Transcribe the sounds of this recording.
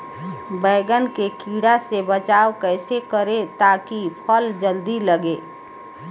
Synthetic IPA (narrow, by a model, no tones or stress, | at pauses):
bəːɡənkekiːɽasebət͡ʃaːokɛɪsekəɾet̪akipʰəld͡ʒəld̪iləɡe